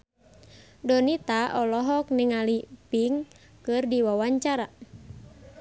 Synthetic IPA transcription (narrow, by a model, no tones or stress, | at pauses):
dɔnit̪aʔɔlɔɦɔk̚niŋalipiŋ | kɨrdiwawaɲt͡ʃaɾa